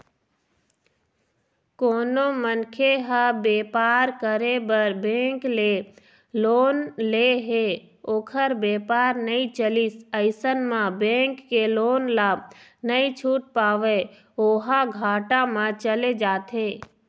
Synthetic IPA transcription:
koːnomənkʰeɦəbeːpaːɾkəɾebəɾbẽːŋkle | loːnleɦe | oːkʰəɾbeːpaːɾnəĩt͡ʃəlisəɪsənmãbẽːŋkːeloːnlaːb̚nəĩt͡ʃʰuːʈ̚paːʋe | oːɦaɡʱaːʈamãt͡ʃəled͡ʒaːt̪ʰɦeː

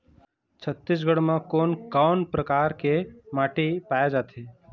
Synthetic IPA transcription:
t͡ʃʰət̪ːɪs̬ɡəɽmãkoːnkaːʊnpɾəkaːɾkemaːʈipaːjed͡ʒaːt̪eː

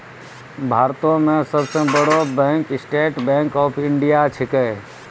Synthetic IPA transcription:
bʱaːɾt̪õmẽsəbsebəɽobɛ̃ːŋkɪsʈeːʈbɛ̃ːŋkɔːpʰɪɳɖijat͡ʃʰɪkə

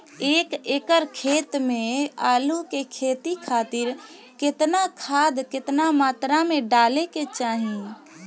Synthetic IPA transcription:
eːkeːkəɾkʰet̪mẽalukekʰet̪ikʰat̪iɾ | kɪt̪nakʰaːd̪kɪt̪namaːt̪ɾameɖaleket͡ʃaːɦĩ

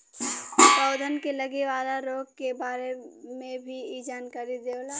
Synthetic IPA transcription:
kəʊd̪ʱənkeləɡeʋaːlaɾoːɡ̚kebaːɾemẽbʱiid͡ʒaːnkaɾid̪eːʋla

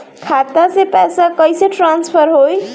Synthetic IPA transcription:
kʰat̪asepɛsakəjseʈɾanspʰəɾɦoj

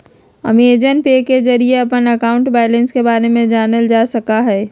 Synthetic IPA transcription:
ə̰mied͡ʒənpekezɐɾieɐpənɐkaːʊ̃ɳʈbaːlẽnskebaːɾemẽd͡ʒaːnəld͡ʒaːsɐkaɦɛː

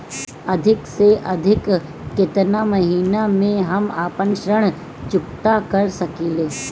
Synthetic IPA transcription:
ɐd̪ʱɪkseʔɐd̪ʱɪkː | ɪt̪namɐɦiːnamẽɦɐmaːpənʃɾəɽ̃ | t͡ʃʊkt̪akɐɾsɐkiːleː

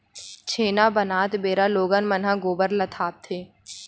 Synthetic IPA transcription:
t͡ʃʰeːnabənaːt̪beːɾaloːɡanmənɦãɡoːbəɾlət̪ʰaːp̚t̪ʰeː

